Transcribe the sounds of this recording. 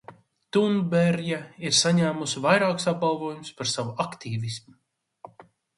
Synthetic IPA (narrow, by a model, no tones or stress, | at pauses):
t̪unbɛɾjaiɾsaɲæːmusvajɾaːksab̚balˠvoɔjumspaɾsavuakt̪iːvismu